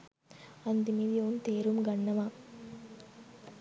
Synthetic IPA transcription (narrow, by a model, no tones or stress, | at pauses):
ɐnd̪imid̪ijoːunt̪eːɾumɡɐɳːɐma